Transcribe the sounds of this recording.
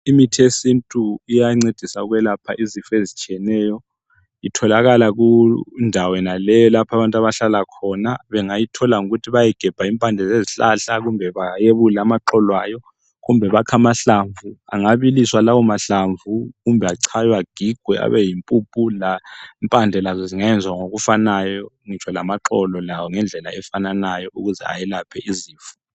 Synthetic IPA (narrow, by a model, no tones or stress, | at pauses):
imitʰesintʼuijaŋ͡ǀed̥ʱisauɣwɛlapʰa̰ʔizifezit͡ʃʼiɛnɛːjɔ | itʰɔlaɣalaɣundʱawɔɛnalɛjɔlapʰaβantʼaβaɬalakʰɔnaβɛŋajitʰɔlaŋuɣutʰiβajɛɡ̥ʱɛb̥ʱaimpʼand͡ɮʱɛzeziɬa̰ɬaɣumbʱɛβajeβulɛamaǁɔlwajɔ | ɣumbʱɛβakʰamaɬaɱvua̰ŋaβiliswalawɔmaɬaɱvʱuɣumbʱɛaǀʰajwaɡ̥ʱiɡ̥ʱwɛʔa̰βɛjimpʼupʼulaimpʼand͡ɮʱɛlazɔziŋajɛnd͡zʱwaŋoɣufanajɔ | ŋit͡ʃʰwalamaǁɔlɔlawɔŋɛnd͡ɮʱɛla̰ɛfananajɔʔuɣuzɛ̰a̰jɛlapʰɛʔiziːfu̥